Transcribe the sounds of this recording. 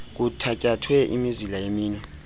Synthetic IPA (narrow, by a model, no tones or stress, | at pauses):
k̬utʰakʼatʰwɛʔḭmizilajemiːnwɛ